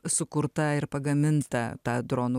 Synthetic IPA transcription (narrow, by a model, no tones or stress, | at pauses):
sʊkʊɾt̪ɐɪɾpɐɡɐmʲɪnt̪ɐt̪ɑːd̪ɾoːnuː